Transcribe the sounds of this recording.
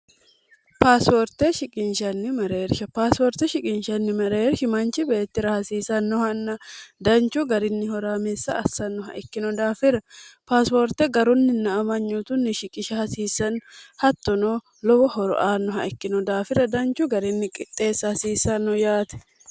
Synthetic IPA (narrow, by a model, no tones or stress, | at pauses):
paːspɔɾt̪ɛʃɪkʼɪnʃɐnːɪmɐɾeːɾʃɐpaːspɔɾt̪ɛʃɪkʼɪnʃɐnːɪmɐɾeːɾʃɪmɐnt͡ʃɪbe̞ːt̪ːɪɾɐhɐsiːsɐnːɔhɐnːɐd̪ɐnt͡ʃʊɡɐɾɪnːɪhɔɾaːmesːɐːsːɐnːɔɦɐ̰ʔɛkːɪnɔd̪aːfɪɾɐpaːspɔɾt̪ːɛɡɐɾʊnːɪnːɐmɐɲːut̪ʊnːɪʃɪkʼɪʃɐhɐsiːsːɐnhɐt̪ːɔnoː | lɔbɔhɔɾɔ̰ʔaːnːɔɦɐ̰ɛkːɪnɔd̪aːfɪɾɐd̪ɐnt͡ʃʊɡɐɾɪnːɪkʼɪt̪ʼːe̞ːsːɐhɐsiːsːɐnːɔjaːt̪ɛ̥